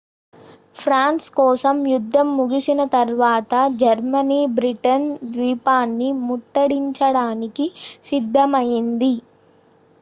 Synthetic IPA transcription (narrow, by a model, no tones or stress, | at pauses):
pʰɾaːnskɔːsɐmjud̪ʱːɐmːuɡisinɐt̪ɐɾʋaːt̪ɐd͡ʒɐɾmɐniːbɾiʈɐnd̪ʋiːpaːnːimuʈːɐɽiɲt͡ʃɐɽaːnikisid̪ʱːɐmɐjind̪i